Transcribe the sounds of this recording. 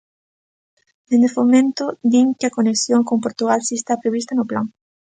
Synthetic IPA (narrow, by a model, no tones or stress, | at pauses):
d̪̥end̪efomẽnt̪ʊd̪iŋkɪɐkoneksjoŋkompoɾt̪uɣalsest̪apɾeβist̪ɐnʊplaŋ